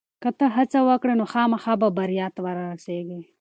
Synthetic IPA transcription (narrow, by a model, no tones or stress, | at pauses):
kɐt̪ɐɦɐt͡sɐwɐkɽenoxɑːmɐxaːbɐbɐɾijɑːt̪waɾaɾɐseːɡe